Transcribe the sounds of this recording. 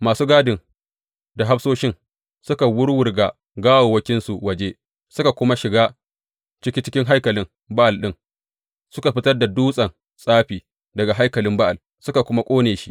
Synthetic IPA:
maː˨suː˦ɡaː˦dɪ˨ŋ | da˨ɦa˦ɸsoː˦ʃɪ˦ŋ | sʊ˦ka˨wʊ˦ɽwʊ˦rɡa˨ | ɡaː˦woː˨wɐ˦kʲɪ˦nsu˨wɐ˨d͡ʒe˦ | sʊ˦ka˨kʷʊ˦ma˦ʃɪ˨ɡaː˦ | t͡ʃɪ˦kʲiː˦t͡ʃɪ̥˦kʲɪ˦ŋɦa˦jkɐ˨lɪ˦ŋ | ba˦ʔa˨lɗɪ˦ŋ | sʊ˦ka˨ɸɪ˦tɐ˦rda˨duː˦sʼɐ˨n | sʼaː˦ɸiː˨ | dɐ˨ɡa˨ɦa˦jkɐ˨lɪ˦mba˦ʔa˨l | sʊ˦ka˨kʷʊ˦ma˦kʷʼoː˦neː˨ʃi˦ʔ

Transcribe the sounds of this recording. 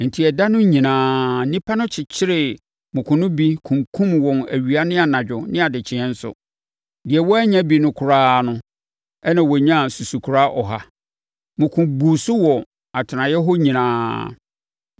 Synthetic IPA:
n̩˨tʰi˨ɛ˨da˦nʊ̃˦ɲĩ˨nãː˨˦nĩ˦pʰa˦nʊ̃˦t͡ɕʰɪ˨t͡ɕʰɪ˦ɾɪ˨ | mʊ̃˨kʰʊ̃˨nʊ̃˦bi˦kʰũ˨mkʰũ˦mwɔ̃˨næ̰˨ɥi˨a˦nɪ̃˦a˨nã˨d͡ʑᶣʊ˨nɪ̃˦a˨dɪ˨t͡ɕʰɪ˨ɛ̃˦n̩˦sʊ̰˨ | dɪ˨ɛ˨wɔ˦æ˦ɲã˦bi˨nʊ̃˦kʰʊ˨ɾaː˦nʊ̃˦ | ɛ˦nã˨wɔ˨ɲã˦˨su˨su˨kʰu˨ɾa˦ʔɔ˨ɦa˦ | mʊ̃˨kʰũ˨bu˨sʊ˦wɔ˨ | a˨tʰɪ˨nã˨jɛ˦ɦɔ˦ɲĩ˨nãː˦

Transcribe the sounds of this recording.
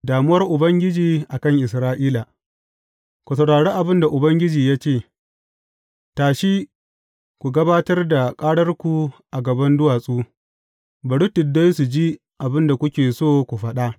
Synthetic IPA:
daː˨mʊ˦wɐ˦rʔʊ˨bɐ˦ŋɡʲɪ˦d͡ʒiː˨ʔa˨kɐ˦˨ŋʔɪ˨sɾaː˦ʔiː˦la˨ | kʷu˨sɐ˨wɽaː˨ɽe˦ʔa˨bɪ˦nda˨ʔʊ˨bɐ˦ŋɡʲɪ˦d͡ʒiː˨jaː˦t͡ʃeː˦˨ | taː˨ʃiː˦ | kʷu˨ɡɐ˦baː˦tɐ˦rda˨kʼaː˦ɽɐ˦rkʷu˨ʔa˨ɡɐ˨bɐ˦ndʊ˦waː˨sʼuː˦ | bɐ˨ɽʊ˦tʊ˨da˦jsu˨d͡ʒi˦ | ʔa˨bɪ˦nda˨kʷʊ˦kʲeː˨soː˦˨kʷu˨ɸɐ˦ɗa˦ʔ

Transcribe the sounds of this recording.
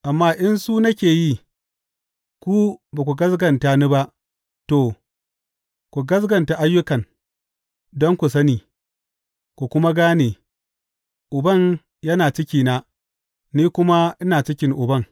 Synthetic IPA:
ʔa˨mːaː˦ʔɪ˦nsu˦nɐ˦kʲeː˨ji˦ | kʷu˦baː˨kʷu˨ɡɐ˦s̬ɡɐ˨nta˨ni˦ba˦ʔ | toː˨ | kʷu˨ɡɐ˦s̬ɡɐ˨nta˨ʔa˦jːʊ˦kɐ˨ŋ | dɔ˦ŋkʷu˨s̬ɐ˦niː˨ | kʷu˨kʷʊ˦ma˦ɡaː˦neː˨ | ʔʊ˨bɐ˦˨ɲ | jɐ˦naː˨t͡ʃɪ˦kʲiː˨na˦ | niː˦kʷʊ˦ma˦ʔɪ˦naː˨t͡ʃɪ˦kʲɪ˦ŋʔʊ˨bɐ˦ŋ

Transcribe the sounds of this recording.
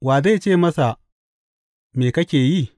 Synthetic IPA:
waː˨za˦˨t͡ʃeː˦˨mɐ˦sa˨ | meː˨kɐ˦kʲeː˨ji˦˨

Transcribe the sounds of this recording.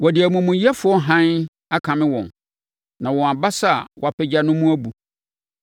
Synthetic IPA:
wɔ˨dɪ˨æ˨mũ˨mũ˨jɛ˦fʊ˦ɔ˦ɦã˦n | a˦kʰã˨mɪ̃˦wɔ̃˨n | nã˨wɔ̃˨a˨ba˦sa˦˨wʔɔ˨a˨pʰɛ˨d͡ʑa˨nʊ̃˦mũ˦æ˦bu˨

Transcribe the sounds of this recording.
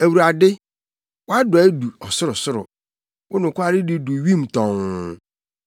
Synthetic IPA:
æ˨wu˨ɾa˨dɪ˦ | wɔ˦a˦dʊ˨˦du˨ɔ˨sʊ˦ɾʊ˨sʊ˦ɾʊ̰˨ | wʔʊ˦nʊ̃˨kʊ˦a˦ɾɪ˦dɪ˦du˨ɥĩ˦˨m˨tʰɔ̃˨ŋ˦

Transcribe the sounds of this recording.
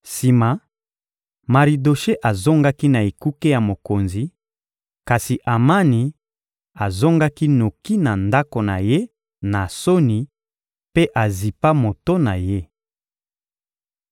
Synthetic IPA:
si˨ma˨ | ma˨ʁi˨do˨ʃe˦ʔa˨zo˦ŋɡa˦ki˦na˨e˨ku˦ke˦ja˨mo˨ko˨nzi˨ | ka˨si˨ʔa˨ma˦ni˨ | a˨zo˦ŋɡa˦ki˦no˨ki˦na˨nda˦ko˨na̰˨je˦ | na˨so˦ni˨ | pe˦ʔa˨zi˨pa˦mo˨to˦na˨je˦

